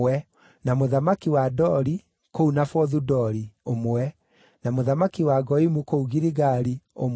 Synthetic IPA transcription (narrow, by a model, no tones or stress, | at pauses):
ɛ | namoðamakiwadɔɾi | kounafɔðudɔɾiomowɛ | namoðamakiwaɡɔimukouɣiɾiɣaːɾiom